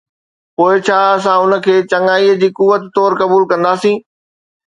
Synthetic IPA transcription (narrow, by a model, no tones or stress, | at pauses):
poːɪt͡ɕʰaːɐs̬ãʊnə̆kʰeːt͡ɕɐŋaːiːəd͡ʑiːkʊʋət̪t̪ɔːɾkɐbuːlkɐ̃nd̪aːsĩː